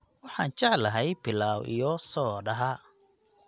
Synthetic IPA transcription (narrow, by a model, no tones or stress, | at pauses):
wɑħɑːnt͡ʃɑʕlɐɦɛjbɪlaːwʔḭjɔsɔːɖɐɦɐ